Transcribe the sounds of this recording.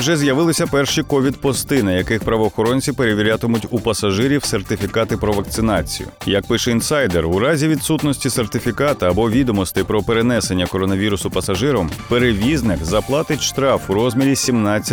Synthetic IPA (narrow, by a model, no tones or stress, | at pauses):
wʒɛzʲjɐʋɪlˠɪsʲɐpɛrʃikɔʋʲid̪pɔst̪ɪnɪjɐkɪxpɾɐʋɔːxɔɾɔnʲt͡sʲiwpe̞ɾeʋʲiɾʲat̪ɔmʊtʲupɐsɐʒɪɾʲiwsert̪ɪfʲikɑt̪ɪpɾɔʋɐk̚t̪sɪnɑt͡sʲḭjʊ̰jɐk̚pɪʃɛinsɑjd̪erʊɾɑzʲiʋʲid̪sut̪nɔsʲtʲise̞rt̪ɪfʲikɑt̪ɐɐbɔʋʲid̪ɔmɔst̪ɪpɾɔpeɾenɛse̞nʲːɐkɔɾɔnɐʋʲiɾʊsʊpɐsɐʒɪɾɔmpeɾeʋʲiznɪkzɐplˠɑt̪ɪtʲʃt̪ɾɑfʊɾɔzʲmʲiɾʲisʲimnɑt͡sʲːɐ